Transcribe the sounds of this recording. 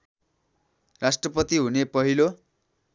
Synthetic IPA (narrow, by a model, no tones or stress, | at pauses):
rasʈrʌpʌt̪iɦunepʌɦilo